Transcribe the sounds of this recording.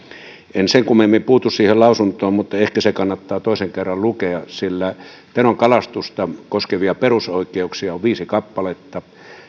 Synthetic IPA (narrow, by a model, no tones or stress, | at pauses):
enseŋkumemːimpuːt̪ussiːhellɑˑusunt̪ˑoːmmut̪ːɑehkæsekɑnːɑt̪ːɑːt̪oˑiseŋkerːɑllukeɑsilːæ | t̪enoŋkɑlɑst̪ust̪ɑkoskeʋiɑperusoˑikːˑeuksiɑoʋʋiːsikɑpːɑlet̪ːɑ